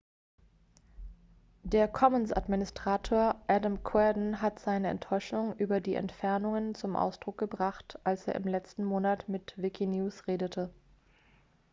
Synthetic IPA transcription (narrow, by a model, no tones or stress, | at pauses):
deːɐkʰɔmənsa̰dminɪstʁ̥aːtʰoːɐʔɛdamkʰwɛɐdn̩ɦatz̥aɪnəɛ̰ntʰɔʏʃʊŋʔyːbɐdiːʔɛ̰ntfɛɐnʊŋənt͡sʊmʔa̰ʊsd̥ʁʊk̚ɡ̥əbʁaχtʔalsḛːɐʔɪmlɛt͡stn̩moːnatmɪtvɪkʰinjuːsʁeːdətʰə